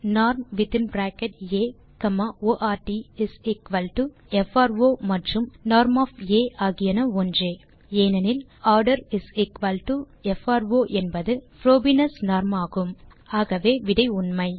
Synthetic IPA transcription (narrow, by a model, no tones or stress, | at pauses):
naːɾmʋɪt̪ɪnbɾaːkɐʈeː | kɐmaoːʔaːʈiɪsɪkʋɐlʈu | ɛfaːɾʋoːmɐʈrɯmnaːɾmaːfeːʔaːɣɪjɐnɐɔndreː | eːnɐnɪl | aːɾɖɐɾɪsɪkʋɐlʈu | ɛfaːɾʋoːʔɛnbɐðɯfɾoːbinɐsnaːɾmaːɣɯm | aːɣɐʋeːʋɪɽɐɪʊnmɐɪ